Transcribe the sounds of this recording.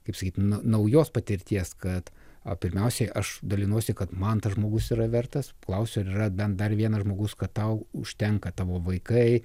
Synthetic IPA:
kɐɪpsɐkʲiːt̪nʊnɐʊjoːspɐt̪ʲɪɾʲt̪ʲiɛskɐt̪ | ɐpʲɪɾʲmʲɛʊsʲɛɪʔɐʃd̪ɐlʲɪnuɔsʲɪkɐt̪mɐnt̪ɐsʒmoːɡʊsiːɾɐʋʲɛrt̪ɐsklˠɐʊsʲoːɾiːrɐd̪ɐnd̪ɐrʋʲiɛnɐʒmoːɡʊskɐttɐʊʊʃʲt̪ʲɛŋkɐt̪ɑːʋoːʋɐɪkɐɪ

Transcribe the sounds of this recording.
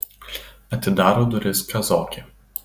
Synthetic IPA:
ɐt̪ʲɪd̪ɑːɾoːd̪ʊɾʲɪskʲɐzoːkʲe

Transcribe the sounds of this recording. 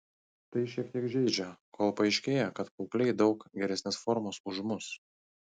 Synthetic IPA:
t̪ɐɪʃʲiɛk̚t̪ʲiɛkʒʲɛɪd͡ʒʲɛkʰoːlˠpɐɪʃʲkʲeːjɛkɐt̪kɔʊklʲɛɪd̪ɒʊkɡʲɛɾʲɛsʲnʲeːsfɔɾmoːsʊʒmʊs

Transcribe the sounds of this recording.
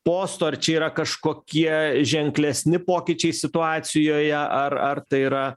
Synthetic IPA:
poːst̪oːɐrt͡ʃʲɛiːɾɐkɐʃkoːkʲiɛʒʲɛŋklʲɛsʲnʲɪpoːkʲɪt͡ʃʲɛɪsʲɪt̪ʊɑːt̪sʲɪjoːjɛʔɐrɐrt̪ɐɪiɾɐ

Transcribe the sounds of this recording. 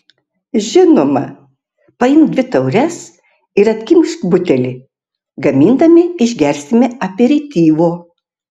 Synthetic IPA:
ʒʲɪnoːmɐ | pɐjɪmd̪ʲʋʲɪt̪ɐʊɾʲɛs | ɪɾɐt̪ʲkʲɪmʲʃkbʊt̪ʲɛlʲɪ | ɡɐmʲiːnd̪ɐmʲɪɪʒʲɡʲɛɾʲsʲt̪ʲɪmʲɪɐpʲeɾʲɪt̪ʲiːʋoː

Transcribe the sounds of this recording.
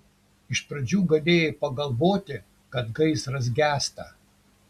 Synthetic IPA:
ɪʃpɾɐd͡ʒʲuːɡɐlʲeːjepɐɡɐlˠʋoːt̪ʲɪ | kɐt̪ɡɐɪsɾɐs̬ɡʲæːst̪ɐ

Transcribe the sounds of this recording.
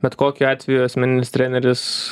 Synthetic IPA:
bʲɛt̪koːkʲʊɑːt̪ʲʋʲɛjuɐsʲmʲɛnʲɪnʲɪst̪ʲɾʲænʲɛɾʲɪs

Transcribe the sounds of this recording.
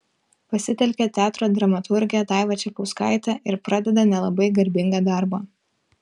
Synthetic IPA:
pɐsʲɪt̪ʲɛlʲkʲɛt̪ʲæːt̪ɾoːd̪ɾɐmɐt̪ʰʊɾʲɡʲɪjɛt̪ɑɪʋɐt͡ʃʲɛpɐʊskɑ̰ˑɪt̪ɑʔɪɾpɾɑd̪ʲɛd̪ɐnʲɛlˠɐbɐɪɡɐɾʲbʲɪŋɡɑːd̪ɑɾbɑ

